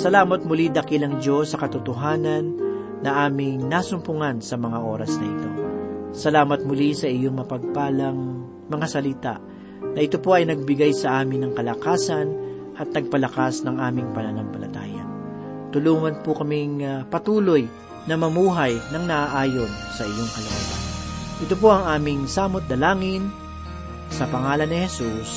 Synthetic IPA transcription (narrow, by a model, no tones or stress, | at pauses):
sɐlaːmɐt̪̚mʊlid̪ɐkɪlɐŋd͡ʒo̞sːɐkɐt̪ʊt̪ʊɦaːnɐnː | ɐʔaːmɪŋnasʊmpʊŋansɐmɐŋaʔo̞ɾɐsnɐ̰ʔɪt̪o̞̰sɐlaːmɐt̪̚mʊlisɐʔɪjoŋmɐpɐɡ̚paːlɐŋ | mɐŋasɐlɪt̪a̰ʔ | nɐʔɪt̪o̞po̞ʔɐjnɐɡ̚bɪɡajsɐʔaːmɪnːɐŋkɐlɐkaːsɐn | ʔɐt̪̚nɐɡ̚pɐlɐkasnɐŋʔaːmɪŋpɐnɐnɐmpɐlɐ̰t̪a̰ːjɐ̰ | t̪ʊluːŋɐnpʊkɐmiŋpɐt̪uːlo̞j | nɐmɐmuːɦɐjnɐŋnɐʔaʔaːjom | sɐʔɪjo̞ŋkɐlɐɡat̪a̰ʔɪt̪opo̞ʔɐŋaːmɪŋsaːmot̪̚d̪ɐlaːŋɪn | sɐpɐŋaːlɐnːɪhɛsus